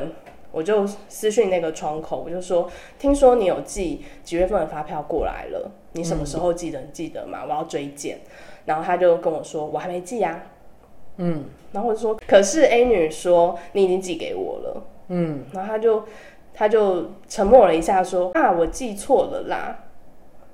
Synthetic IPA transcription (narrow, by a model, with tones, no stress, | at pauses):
n | wɔ˨˩t͡ɕjo˥˩ʊsɹ̩˦ɕy˥˧ŋna˥˩ɡə˩ʈ͡ʂʰwɑ˧˥ŋkʰo˨ʊwɔ˨˩t͡ɕjo˥˧ʊ˩ʂwɔ˦˥ | t̪ʰi˥ŋswɔ˥ni˧˦jo˨˩ʊt͡ɕi˥˨t͡ɕi˨˩ɥɛ˥˧fə˥˩nə˨˩fa˦˥pʰjɑ˥˧ʊkwɔ̰˥˩la̰˧˥ɪlə̰˧˦ | ni˧˥˦ʂə˨˩mə˦ʂɻ̩˧˦xo˥˧ʊt͡ɕi˥˩d̪ə˩˨ni˨˩t͡ɕi˥˩d̪ə̰˨˩˦ma̰˩wɔ˨˩jɑ˥˩ʊt͡swe˥ɪt͡ɕjɛ̰˥˨n | na˧˥nxo˥˩t̪ʰa˥t͡ɕjo˥˩ʊkə˦nwɔ˨˩ʂwɔ˦wɔ˨˩xa˥ɪme˧˥ɪt͡ɕi˥˩a˩˥˩ | na˨˩˥xo˥˩˨o˥˩ʂwɔ˥kʰɤ˨˩ʂɻ̩˥˩e˥ɪny˨˩ʂwɔ˥ni˧˥i˨t͡ɕi˦ŋt͡ɕi˥˩kḛ˧˩ɪwɔ̰˨˩lə̰˦˥˩na˨˧˥xo˥˩t̪ʰa˥t͡ɕjo˥˩ʊ | t̪ʰa˥t͡ɕjo˥˩ʊʈ͡ʂʰə˧˥ŋmwɔ˥˩lə˨˩i˧˥ɕja˥˩ʂwɔ˥a˥˩wɔ˨˩t͡ɕi˥˧t͡sʰwɔ˥˩lə̰˨˩la̰˨˩